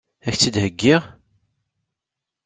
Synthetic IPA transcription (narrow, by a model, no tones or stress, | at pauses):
æçt͡sːid̪həɡːiʁ